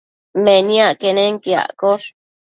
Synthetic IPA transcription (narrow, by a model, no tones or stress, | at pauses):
menĩaʔkeneŋkea̰ʔkoɾ